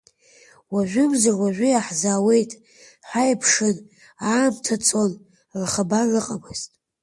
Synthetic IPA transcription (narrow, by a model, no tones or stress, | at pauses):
waʒᶣʷʏmzarwaʒʷᶣʏaħzaːwe̞jtʼ | ħʷajpʰʂɨn | aːmtʰat͡sʰon | rχabarɨqʼamɨz̥tʼ